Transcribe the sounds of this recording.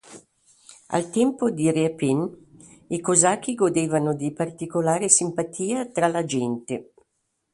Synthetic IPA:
a̰lt̪ɛmpod̪ireapin | ikozak̟ːiɡod̪eːvanod̪ipart̪ikolaːɾesimpat̪ʰiːat̪ɾalad͡ʒɛnt̪e

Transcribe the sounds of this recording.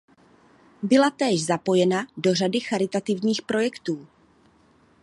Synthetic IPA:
bɪlat̪ɛːʒzapo̞jɛnado̞r̝adɪxaɾɪt̪at̪ɪvɲiːxpɾʔo̞jɛkt̪uː

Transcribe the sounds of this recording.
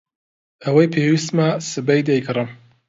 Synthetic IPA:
ɐwɐjpʰewist̪masɨbɐjd̪ɐjɡɨrɨm

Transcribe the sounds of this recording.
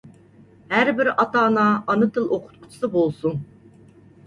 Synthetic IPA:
hæɾbɪɾɑt̪ɑːnɑɑnɨt̪ʰɨlˠoqʰʊ̥t̪qʰʊ̥t͡ʃʰi̥sɨbolˠsun

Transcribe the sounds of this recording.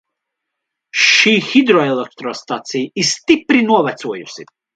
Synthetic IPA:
ʃiːxid̪ɾɔɛlˠɛk̚t̪ɾɔst̪at̪sijist̪ipɾinuɔvat̪suɔjusʲi

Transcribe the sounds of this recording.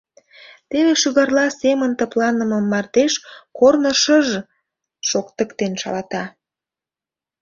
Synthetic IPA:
t̪eβeʃyɣɑrlɑsemənt̪əplɑnəməmːɑrt̪eʃkornəʃəʒ | ʃokt̪əkt̪enʃɑ̰lɑt̪ɑ

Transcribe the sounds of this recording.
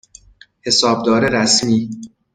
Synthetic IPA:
he̞sɒːb̚d̪ɒːɾeɾæsmiː

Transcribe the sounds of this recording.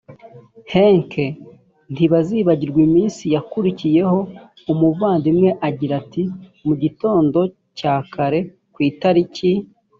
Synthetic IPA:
heŋkʰe | n̥tiβaziːβaɟiɾɡwimiːnsijakuɾicije̞ɦo̞ | umuvaːndimŋe̞ʔaɟiɾatimuɟito̞ːndo̞ | caːkʰaɾe̞ | kwiːtaɾici

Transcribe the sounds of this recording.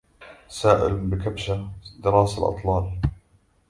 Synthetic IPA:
saːʔɪ̰lbɪkabʃad̪ɪɾɑːsalʔɑ̰t̪ˤlɑːl

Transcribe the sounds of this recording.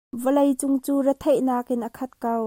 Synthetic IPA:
vəlɐjt͡sʊŋt͡suːrət̪ʰejʔnaːk̚ʔɪnʔəkʰɐt̪̚kɐw

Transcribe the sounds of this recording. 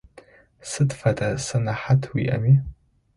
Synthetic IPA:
sɨdfadʰʼasɨnaħatʰwḭʔa̰mi

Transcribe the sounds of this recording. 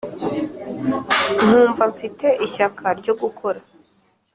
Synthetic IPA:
n̥huːɱvaɱfite̞ʔiçakʰaɾɟo̞ɡukʰo̞ɾa

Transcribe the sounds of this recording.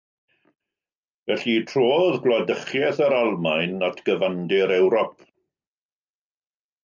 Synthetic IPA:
vɛɬitʰroːðɡlˠɔdəχjɛθəɾalˠmajnːatʰɡ̥əvandɪɾɛwɾɔp

